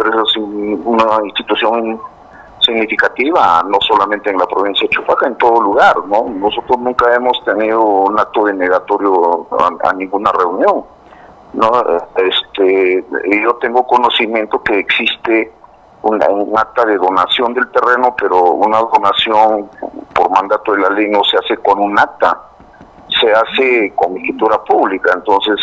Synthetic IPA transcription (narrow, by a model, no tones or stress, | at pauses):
peɾesasiunainst̪it̪usjo̞ŋ | siɣnifikat̪iβano̞solamẽnt̪eːnlapɾoβinsjat͡ʃufakaent̪oðoluɣaɾnonosot̪ɾosnũŋkaemost̪eniðounak̚t̪oðeneɣat̪oɾjoa̰a̰nĩŋɡunareunjõŋ | noest̪ejo̞t̪eŋɡokonosimjẽ̞nt̪okeːksist̪e | unaunak̚t̪aðeðonasjo̞nd̪elt̪erenopeɾounaðonasjonpoɾmãnd̪at̪oðelalejnoseaseko̞nunak̚t̪a̰ | seasekombikit̪uɾapuβlikaent̪o̞nses